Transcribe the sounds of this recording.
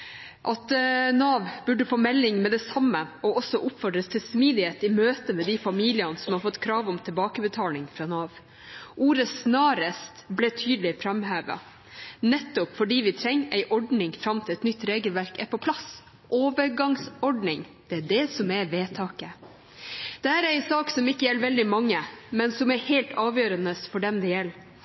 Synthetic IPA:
ʔɑt̪nɑːʋbʉɖəfoːmɛlːɪŋmɛd̪ɛsɑmːəɔɔsːɔʔʊpfɔɖɾəst̪ʰɪlsmiːd̪ɪheːt̪ɪmøːt̪əmɛd̪ɪfɑmiːlɪɑnəsɔmhɑɾfɔt̪ːkʰɾɑːʋɔmt̪ʰɪlbɑːkəbət̪ʰɑːlɪŋfɾɑːnɑːʋ | ʔuːɾəsnɑːɾəst̪blɛt̪ʰyːd̪lɪfɾɑmhæːʋɑ̰ | nɛt̪ːɔpfɔɖiːʋɪt̪ʰɾɛŋːæɪʔɔɖnɪŋfɾɑmt̪ʰɪlɛt̪nʏt̪ːɾeːɡəlʋæɾkɛɾpɔpʰlɑs | ʔoːʋəɾɡɑŋsɔɖnɪŋd̪̥ɛæɖɛsɔmɛʋeːt̪ʰɑːkə | d̪̥ɛhæːɾæɪsɑːksɔmɪkːəjɛlːʋɛld̪ɪmɑŋːəmɛnsɔmæɾhɛɪlt̪ɑːʋjøːɾənəsfɔɖɛmd̪ɛjɛlː

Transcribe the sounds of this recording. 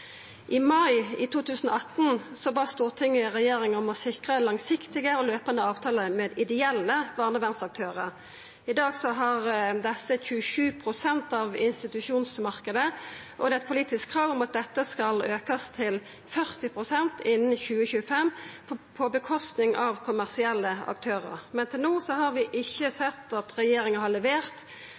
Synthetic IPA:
ʔɪmɑɪɪ̰t̪ʰuːt̪ʰʉːsən̩ɔɑt̪n̩sɔbɑːst̪uːʁt̪ʰɪŋːɪʁɛjeːɾɪŋɔmɔsɪkʁəlɑŋsɪkt̪ɪɡəɔløːpənd̪əɑːʋt̪ʰɑːləmeːd̪ɪd̪ɛɛlːəʋɑːʁnəʋæʁnsɑk̚t̪ʰøːʁəʁ | ɪd̪ɑːɡsɔɦɑʁd̪ɛsːəçʉəʃʉːpʰʁʊsɛnt̪ɑʋɪnst̪ɪt̪ʉʂuːnsmɑʁkəd̪ə | ʔɔd̪ɛːɛt̪̚pʰʊliːt̪ɪskkʰːɾɑːʋʊmɑt̪̚d̪ɛt̪ːəskɑløːkəst̪ʰɪl | fœʁt̪ɪpʁʊsɛnt̪ʰɪnn̩çʉːəçʉːəfɛmː | pʰɔbəkʰɔst̪nɪŋʔɑʋkʰʊmæʁsɪɛlːəɑ̰k̚t̪ʰøːɾə̰ʁmɛnt̪ʰɪlnuːsɔhɑɾʋɪʔɪçːəsɛt̪ːɑt̪ɾɛjeːɾɪŋəhɑʁlɛʋeːʁt̪

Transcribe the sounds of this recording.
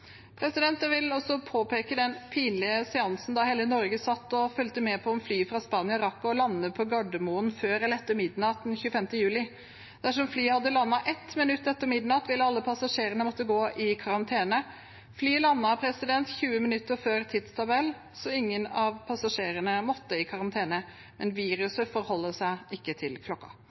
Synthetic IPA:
pʰɾɛsɪd̪ɛnt̪əʋɪlɔsɔpʰoːpeːkəd̪ɛnpʰiːnlɪəsɛɑnsn̩d̪ɑhɛːlənɔɾɡəsɑt̪ːɔfœlt̪əmɛːpʰɔɔmflyːfɾɑspɑːnɪɑɪɾɑkːʊɔlɑnːəpʰɔɡɑɖ̪əmuːənføːɾɛlɛt̪ːəɾmɪd̪nɑt̪̚d̪ɛnçʉːəfɛmt̪əjʉːlɪ | d̪̥æʂ̬ɔmflyːhɑd̪ːəlɑnːɑʔɛt̪mɪnʉt̪ːɛt̪ːəɾmɪd̪nɑt̪ʋɪlɑlːəpʰɑsɑʂeːɾənəmɔt̪ːəɡoːʔɪkʰɑɾɑnt̪ʰeːnə | flyːlɑnːɑpʰɾɛsɪd̪ɛnt̪çʉːəmɪnʉt̪ːəɾføːɾt̪ʰɪd̪st̪ʰɑbɛlː | sɔɪŋːənɑʋpʰɑsɑʂeːɾənəmɔt̪ːəɪkʰɑɾɑnt̪ʰeːnə | mɛnʋiːɾʉsəfɔɾhɔlːəsæɪɪkːət̪ʰɪlkʰlɔkːɑ̰

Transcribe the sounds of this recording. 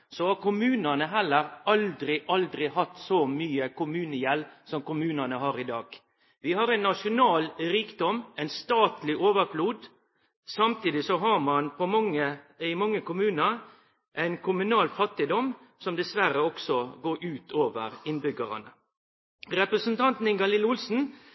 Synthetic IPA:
sɔhɑkʊmʉːnənəɦɛlːəɾʔɑld̪ɾɪʔɑld̪ɾɪhɑt̪sɔmyːəkʰʊmʉːnəjɛlsɔmkʊmʉːnənəɦɑːɾɪd̪ɑːɡ̥ | ʋɪhɑɾæɪnːɑʂʊnɑːlɾiːkd̪ɔmæɪnst̪ɑːt̪lɪʔoːʋəɾfluːd̪ | sɑmt̪iːd̪ɪsɔɦɑɾmɑnpɔmɑŋːəɪmɑŋːəkʊmʉːnəɾ | ʔæɪnkʰʊmʉnɑːlfɑt̪ːɪd̪ɔm | sɔmd̪ɛsʋæɾəɔksɔɡoːɾʔʉːt̪ʰoːʋəɾɪnbʏɡəɾɑ̰nə | ɾɛpɾəsənt̪ʰɑnt̪n̩ɪŋɡɑlɪlʊlsn̩

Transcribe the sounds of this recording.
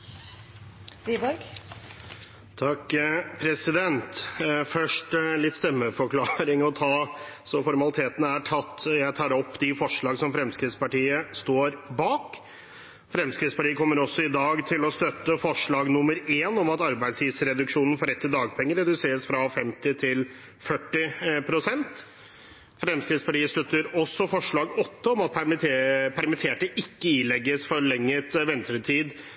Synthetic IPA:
ibɔɾɡ | t̪ʰɑkːpʰɾɛsɪd̪ɛnt̪fœʂʈlɪt̪ːst̪ɛmːəfɔkʰlɑːɾɪŋɔt̪ʰɑːsɔfɔɾmɑlɪt̪ʰeːt̪ənəæʈʰɑt̪ːjæɪt̪ʰɑːɾɔpːd̪ɪfɔʂɭɑːɡsɔmfɾɛmskɾɪt̪spɑʈiːəst̪oːɾbɑːk | fɾɛmskɾɪt̪spɑʈiːəkʰɔmːəɾɔsːɔɪd̪ɑːɡt̪ʰɪlɔst̪œt̪ːəfɔʂɭɑːɡnʊmːəɾeːnɔmɑt̪ɑɾbæɪd̪sj̪iʋsɾɛd̪ʉkʂuːnən̩fɔɾɛt̪ʰːɪd̪ɑːɡ̚pʰɛŋːəɾɛd̪ʉseːɾəsfɾɑfɛmt̪ɪt̪ʰɪl | fœʈːɪpʰɾʊsɛnt̪ | fɾɛmskɾɪt̪spɑʈiːəst̪œt̪ːəɾɔsːɔfɔʂɭɑːɡɔt̪ːəɔmɑt̪̚ | pʰæɾmɪt̪ʰeːʈəʔɪkːəiːlɛɡːəsfɔɾɭɛŋːət̪ʋɛnt̪ɾət̪ʰiːd̪

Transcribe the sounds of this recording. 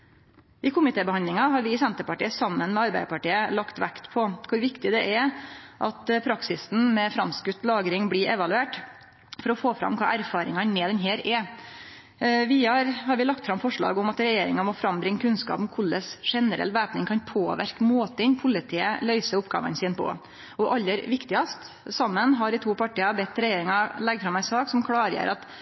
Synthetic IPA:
ʔɪkʰʊmɪt̪eːbəhɑnd̪lɪŋɑɦɑɾʋɪɪsɛnt̪əɾpɑʈiːəsɑmːənmɛɑɾbæɪd̪əpɑʈiːəlɑkt̪ʋæ̰kt̪pʰɔkʰʊɾʋɪkt̪ɪd̪ɛʔɛʔɑt̪pʰɾɑksɪsn̩mɛfɾɑmskʉt̪ːlɑːɡɾɪŋblɪɾʔɛʋɑlʉeːʈ | fɔɾɔfoːfɾɑ̰mkʰɑ̰ːʔæɾfɑːɾɪ̰ŋɑnmɛd̪ɛnɦeːɾɛ | ʋɪɑɾhɑɾʋɪlɑkt̪fɾɑmfɔʂɭɑ̰ːɡʊmɑt̪ɾɛjeːɾɪ̰ŋɑmɔfɾɑmbɾɪŋːəkʰʉnskɑ̰ːpɔmkʰʊlːəsʂɛnəɾɛ̰lːʋæːpnɪŋkʰɑnpʰoːʋæ̰ɾkmoːt̪əɪnpʰʊlɪt̪ʰiːə̰lœʏsəʊpɡɑ̰ːʋɑ̰nsiːnpʰɔ̰ | ɔʔɑlːəɾʋɪkt̪ɪɑst̪ | sɑmːənɦɑɾɪt̪ʰuːpɑʈiːɑbɛt̪ːɾɛjeːɾɪŋɑlɛɡfɾɑmæɪsɑːksɔmkʰɽɑːɾjə̰ːɾɑt̪

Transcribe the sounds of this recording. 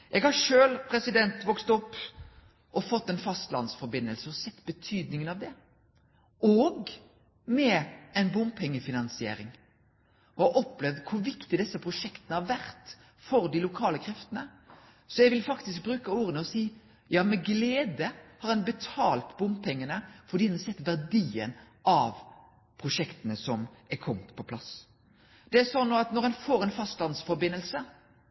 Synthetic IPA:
ʔɛɡhɑɾʂøːlpʰɾɛsɪd̪ɛnt̪ʋɔkst̪ɔpː | ʔɔfɔt̪ːɛnfɑst̪lɑ̰nsfɔɾbɪnːəlsəɔsɛt̪ːbət̪ʰyːd̪nɪŋənɑʋd̪ɛ | ɔɡ | mɛɛɪnbʊmpʰːɛŋːəfɪnɑnsɪḛːɾɪ̰ŋ | ʔɔɑʔɔpːlɛʋd̪kʰʊɾʋɪkt̪ɪd̪ɛsːəpʰɾʊʂɛkt̪ənəhɑɾʋæɾt̪ | fɔɾd̪ɪlʊkʰɑːləkʰɾɛft̪ənə | sɔjɛɡʋɪlfɑkt̪ɪsk̚bɾʉːkəuːɾənəɔsiː | jɑːmɛɡleːd̪əhɑɾɛnbɛt̪ʰɑːlt̪bʊmpʰɛŋːənəfɔʁd̪iːd̪ɛnsɛt̪ːʋæʁd̪iːə̰n | ɑʋ | pʰʁʊʂɛkt̪ənəsɔmɛkʰɔmt̪pʰɔpʰlɑs | d̪̥ɛæsɔnːoːɑt̪nɔɾɛnfoːɾɛnfɑst̪lɑnsfɔɾbɪnːəlsə

